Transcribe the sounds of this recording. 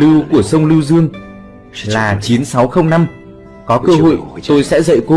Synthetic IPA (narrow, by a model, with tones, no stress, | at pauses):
lɨ˧wku˧˩əsə˧wŋ͡mlɨ˧wzɨ˧əŋ | laː˨˩t͡ɕi˨˦nsa˨˦wxə˧wŋ͡mna˧m | kɔ˨˦kəː˧ɦo̰˧˨jt̪o˧jsɛ̰˧˥zə̰˧˨jko˧˦